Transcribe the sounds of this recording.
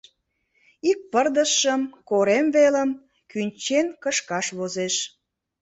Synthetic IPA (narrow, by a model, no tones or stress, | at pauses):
ik̚pərd̪əʃəmkoɾemveləm | kynʲt͡ɕenkəʃkɑʃβozeʃ